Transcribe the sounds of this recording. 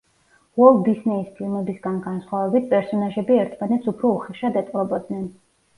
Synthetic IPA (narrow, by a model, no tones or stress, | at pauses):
vɔlˠd̪isnɛispʰilˠmɛbisɡanɡansχwavɛbit̪̚ʰpʼɛɾsɔnaʒɛbiɛɾt̪ʰmanɛt̪supʰɾɔuχɛʃad̪ɛt̪ʼqʼɾɔbɔd̪nɛn